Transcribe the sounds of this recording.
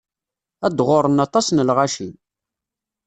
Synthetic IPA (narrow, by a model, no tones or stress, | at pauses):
æd̪ʁʊɾˤənɑt̪ˤɑsnəlʁaʃin